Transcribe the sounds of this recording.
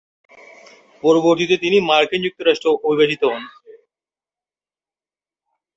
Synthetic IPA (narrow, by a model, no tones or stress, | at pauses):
pɔɾoboɾt̪it̪et̪inimaɾkind͡ʑuk̚t̪oɾaʃʈɾoʔobʱibeʃit̪oɦon